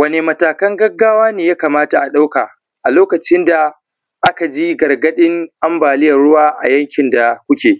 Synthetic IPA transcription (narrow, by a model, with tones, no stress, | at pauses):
wɐ˦ne˨mɐ˨taː˨kɐ˦ŋɡɐ˦ɡːaː˦waː˦neː˨jaː˦kaː˨maː˦ta˨ʔa˨ɗa˦wkaː˨ | ʔa˨loː˦kɐ˨t͡ʃɪ˦nda˨ | ʔa˦ka˨d͡ʒi˦ɡɐ˨rɡɐ˦ɗɪ˦ŋʔa˦mbaː˨lɪ˦jɐ˨rɽʊ˦waː˦ʔa̰˨jɐ˦ŋkʲɪ˨nda˨kʷʊ˦kʲeː˨